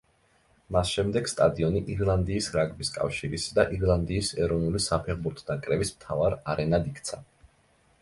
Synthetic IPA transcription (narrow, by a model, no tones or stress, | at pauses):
masʃɛmd̪ɛɡst̪ʼad̪iɔniʔiɾlˠand̪iːsɾaɡʼbiskʼa̰fʃiɾisd̪aʔiɾlˠand̪iːsɛɾɔvnulisapʰɛʁbuɾt̪ʰɔd̪akʼɾɛbismt̪ʰavaɾaɾɛnad̪ikʰt̪sʰa